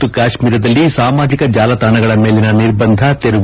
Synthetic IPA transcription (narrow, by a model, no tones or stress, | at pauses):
ukaːʃmiːɾɐd̪ɐlːisaːmaːd͡ʒikɐd͡ʒaːlɐt̪aːnɐɡɐɭɐmeːlinɐniɾbɐnd̪ʱɐt̪eɾuʋ